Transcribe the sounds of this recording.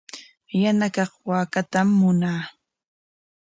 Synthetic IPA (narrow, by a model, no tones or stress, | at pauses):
janakɑχwaːkat̪amːʊnaː